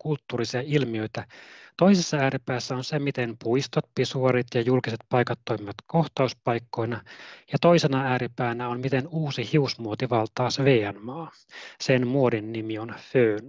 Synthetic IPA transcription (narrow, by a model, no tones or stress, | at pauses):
kult̪ːuːrisiɑilmiø̞it̪æt̪oisesːɑæːɾipæːsːæonsemit̪enpuist̪ot̪̚pisuoɾit̪jɑjulkiset̪̚pɑikɑt̪ːoimimʋɑt̪koht̪ɑuspɑikːoinɑjɑt̪oisenɑæːɾipæːnæonmit̪enuːsihiusmuot̪iʋɑlt̪ɑːsʋeːænmɑː | senmuodinːimionføːn